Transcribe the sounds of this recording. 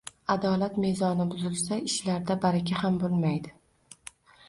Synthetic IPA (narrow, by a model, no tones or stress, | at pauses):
ad̪ɒlat̪me̞zɒnɪbʊzɪlˠsaɪʃlaɾd̪abaɾakʲahambolˠmajd̪ɪ